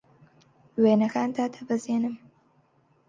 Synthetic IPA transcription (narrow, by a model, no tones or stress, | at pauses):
weːnɐxaːnt̪ʰaːt̪ʰɐbɨzeːnɨm